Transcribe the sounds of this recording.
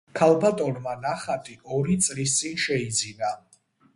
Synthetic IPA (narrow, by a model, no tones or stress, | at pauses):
kʰalˠbat̪ʼɔnmanaχat̪ʼiʔɔɾit̪sʼlis̬t̪sʼinʃɛid̪zina